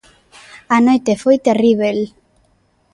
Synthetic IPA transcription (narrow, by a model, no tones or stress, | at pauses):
anojt̪efojt̪eriβel